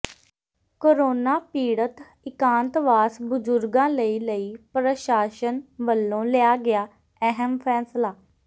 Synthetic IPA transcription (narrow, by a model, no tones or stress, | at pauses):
koːɾoːnaːpiːɽət̪ | ɪkãːnt̪ʋaːsbʊd͡ʒʊɾɡãːləiːləiːpɾəʃaːʃənʋəlːõːlɪaːɡɪaː | ɛɦəmpʰɛːslaː